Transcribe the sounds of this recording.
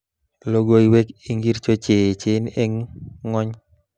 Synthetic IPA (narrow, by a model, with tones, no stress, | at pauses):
lo˦ɡo˦i˦we˦ki˦ŋɡi˦ɾt͡ʃo˦t͡ʃe˨t͡ʃɪ˦ne˦ŋːɔ˦ɲ